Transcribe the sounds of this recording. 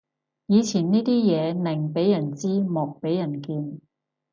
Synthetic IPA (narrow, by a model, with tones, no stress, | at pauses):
jiː˨˧t͡sʰiː˨˩nniː˥t̪iː˥jɛː˨˧nɪ˨˩ŋpe˨˥jjɐ˨˩nt͡siː˥mɔː˨k̚pe˨˥jɐ˨˩nkiː˧n